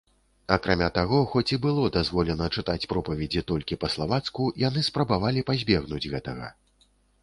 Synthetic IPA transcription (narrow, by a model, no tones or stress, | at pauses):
ɐkɾamʲat̪aɣɔxɔt͡sʲibɨlˠɔd̪azvɔlʲɛnɐt͡ʂɨt̪at͡sʲpɾɔpɐvʲɛd͡zʲit̪ɔlʲkʲipɐslˠavat̪skujan̪ɨspɾɐbavalʲipazʲbʲɛɣnud͡zʲɣɛt̪ɐɣɐ̰